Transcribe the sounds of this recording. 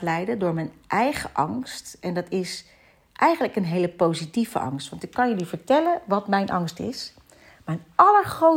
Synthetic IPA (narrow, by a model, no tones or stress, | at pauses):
lɛjdədʊːɹmɛjnʔɛjχə̰ʔɑŋstɛndɑtɪs | ʔɛjχənləkənɦejləpowzitivə̰ʔɑ̰ŋstʋɑntɪkːɑnjəlivəɹtɛlənʋɑtmɛjnʔɑŋstɪ̰s | mɛjnɑləɹχro